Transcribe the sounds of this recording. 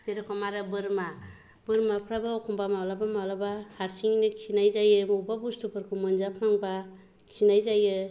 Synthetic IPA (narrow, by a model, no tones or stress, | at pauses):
teɾekʰɔmaɾɯbɯɾma | bɯɾmapʰɾabaɔkʰumbamawlabamawlabahaɾsiŋnɯksinajzajɯmuwbabustupʰɯɾkʰumɯnzapʰaŋba | kʰsinajzajɯ